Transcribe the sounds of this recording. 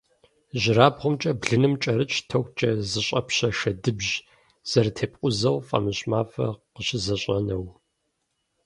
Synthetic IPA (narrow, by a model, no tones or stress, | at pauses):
ʑɪɾaːbʁʷʊmt͡ʃʼɐbɮɨnɨmt͡ʃʼɐɾɨt͡ʃʰtʰɐkʷt͡ʃʼɐzɨɕʼɐpɕɐʃɐdɨbʑ | z̥ɐrtʰeːpʼqʼʷʊzɐwfʼɐ̰mɨɕʼmaːfɐ̰qəɕɪzɐɕʼɐnɐw